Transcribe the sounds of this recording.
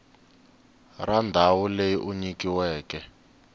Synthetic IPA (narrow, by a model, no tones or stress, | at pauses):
randʱawulejiʔuɲikiwɛːkɛ